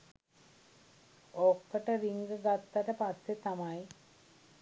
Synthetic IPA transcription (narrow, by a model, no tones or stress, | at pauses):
okːəʈəɾiŋɡəɡat̪ːaʈəpasːet̪amaj